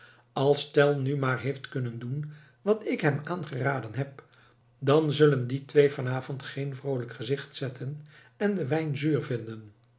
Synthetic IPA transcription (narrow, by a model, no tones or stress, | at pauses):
ɑlˠstɛlˠnymaːrɦeɪjftkɵnəndun | ʋɑtɪkɦɛmaːnχəraːdənɦɛp̚ | dɑnzɵlənditʋejvɑnaːvɔntχejnvrowləkχəzɪχtsɛtʰən | ɛndəʋɛjnzyːrvɪndən